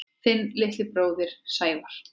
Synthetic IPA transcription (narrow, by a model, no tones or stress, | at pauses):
θɪnːlɪht̪lɪpɾoːwðɪɾ̥saːjvaɾ̥